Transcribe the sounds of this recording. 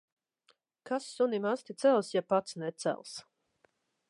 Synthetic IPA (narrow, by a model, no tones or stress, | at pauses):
kasːunimast̪ʲit̪sælˠsjapat̪snɛt̪sæ̰lˠs